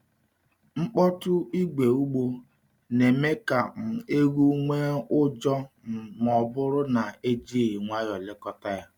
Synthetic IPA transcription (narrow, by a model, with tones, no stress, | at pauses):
ŋ͡m̩˦k͡pɔ˦tʊ˦i˦ɡ͡be˨u˦ɡ͡bo˦ | ne˨me˦ka˨m̩˨e˦ɣu˦ŋʷe˦ʊ˦d͡ʒɔ˦ | mɔ˨bʊ˦ɾʊ˦na˨e˦d͡ʒi˦˨ŋʷa˦jɔ˨lɪ˦kɔ˦ta˦ja˦